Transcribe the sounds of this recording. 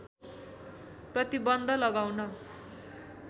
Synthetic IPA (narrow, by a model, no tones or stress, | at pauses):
prʌt̪ibʌnd̪ʱʌlʌɡawnʌ